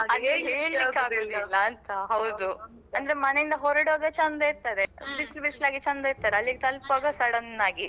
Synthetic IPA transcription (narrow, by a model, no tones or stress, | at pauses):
ɐd̪eːeːlːikːaːɡod̪lːɐːnt̪ɐɦɐwd̪u | ɐnd̪ɐɾemɐnejind̪ɐɦɔɾɐɽʋaːɡɐt͡ʃɐnd̪ɐiɾt̪aːɾebislbislaːɡit͡ʃɐnd̪ɐiɾt̪aːɾeɐlːiɡet̪ɐlpʋaːɡɐsɐɽɐnːaːɡi